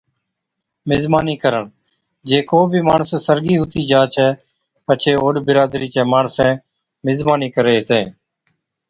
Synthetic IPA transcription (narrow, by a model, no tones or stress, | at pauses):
mɪzmaːniːkəɾəɳ | d͡ʒeːkoːbʱiːmaːɳssəɾɡiːɦʊt̪iːd͡ʒaːt͡ʃʰɛː | pət͡ʃʰeːoːɖbɪɾaːd̪ɾiːt͡ʃẽːmaːɳsẽː | mɪzbaːniːkəɾeːɦt̪ẽː